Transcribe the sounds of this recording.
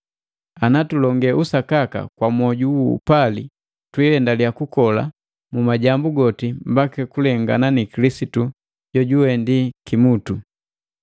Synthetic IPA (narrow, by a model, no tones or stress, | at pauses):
anatulɔŋɡɛʔusakaka̰kwamɔɟuwṵːpali | twɛɛndalijakukɔla̰ | mumaɟambuɡɔtim̩bakɛkulɛŋɡa̰nanikilisitu | ɟɔɟuwɛndikimutu